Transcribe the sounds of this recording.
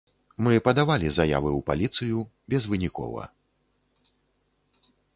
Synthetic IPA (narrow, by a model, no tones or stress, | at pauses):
mɨpɐd̪avalʲizaja̰vɨwpa̰lʲit̪sɨju | bʲɛzvɨnʲikɔ̰vɐ̰